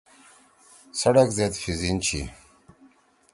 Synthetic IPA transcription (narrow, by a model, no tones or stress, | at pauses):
sɐɽakzet̪fizint͡ɕʰḭ